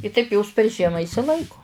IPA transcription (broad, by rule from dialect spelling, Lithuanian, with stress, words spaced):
ɪ tɐɪp joːs pʲɛr ˈʒʲiɛmɐ ɪʃʲsʲɪˈlˠɐɪkoː